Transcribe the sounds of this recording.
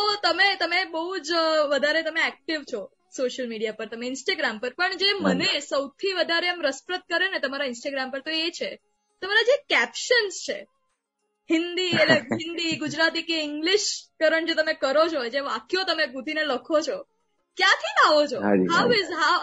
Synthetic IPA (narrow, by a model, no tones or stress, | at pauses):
t̪əmet̪əmebəɦud͡ʒʋəd̪ʱaɾet̪əmeɛk̚ʈiʋt͡ʃʰo | soʃəlmiɽijapəɾt̪əmeɪnsʈaɡɾampəɾpəɳd͡ʒemənesəwt̪ʰiʋəd̪ʱaɾeamɾəspɾət̪̚kəɾenet̪əmaɾaɪnsʈaɡɾampəɾt̪oet͡ʃʰe | t̪əmaɾad͡ʒekɛpʃənst͡ʃʰḛ | hɪnd̪ieleɦɪnd̪iɡud͡ʒɾat̪ikeɪŋɡliʃkəɾəɳd͡ʒet̪əmekəɾot͡ʃʰod͡ʒeʋakjot̪əmeɡũd̪ʱineləkʰot͡ʃʰo | kjãt̪ʰinaʋot͡ʃʰoɦawɪzɦa